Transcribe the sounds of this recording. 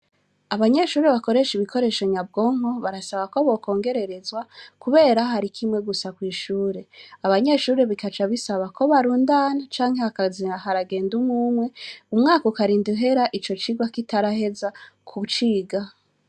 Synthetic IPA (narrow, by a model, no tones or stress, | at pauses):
aβaɲe̞ʃuːɾeβako̞ɾe̞ʃiβikʰo̞ɾe̞ʃoɲab̚ɡo̞ːŋ̥ho̞βaɾasaβakoβo̞ko̞ːŋɡe̞ɾe̞ɾe̞zwakuβe̞ːɾaɦaɾikʰimŋe̞ɡusakwiːʃuːɾe̞aβaɲe̞ʃuːɾe̞βikat͡ʃaβisaβakʰo̞βaɾuːndaːnat͡ʃaːŋhe̞akaziahaɾaɡe̞ːndumuːmwe̞umŋaːkokaɾiːnduɦe̞ɾaʔit͡ʃo̞t͡ʃiɡwakitaɾahe̞zakʰut͡ʃiːɡa